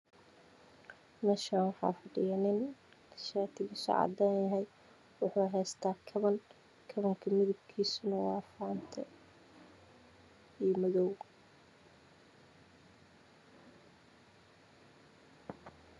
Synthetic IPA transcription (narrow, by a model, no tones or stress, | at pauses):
nɐʃaːnwɑħɑ̰ːfɐɖɪjanɪn | ɐʃaːt̪ʰɪɣisɔ̰ʕɑ̰d̪aːnjɐɦɛj | wʊħuːɦɛːst̪ʰaːkʰɐβɐn | kʰɐβɐŋkʰɐmɪðʊb̚kʰiːsʊnɐwɑ̰ːfaːnt̪ʰɐ | ijmɐðɔw